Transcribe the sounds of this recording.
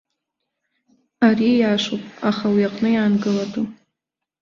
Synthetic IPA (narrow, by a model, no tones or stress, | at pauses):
aɾijaːʂopʼaχawiaqʼnɨjaːnɡɨladu